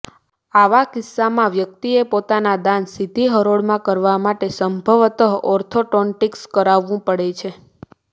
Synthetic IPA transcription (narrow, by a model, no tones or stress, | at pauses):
aʋakɪsːamãʋjək̚t̪iepot̪anad̪ansid̪ʱiɦəɾoɽmãkəɾʋamaʈesəmbʱəʋt̪əɦɔɾt̪ʰoʈɔɳʈikskəɾaʋːũpəɽet͡ʃʰe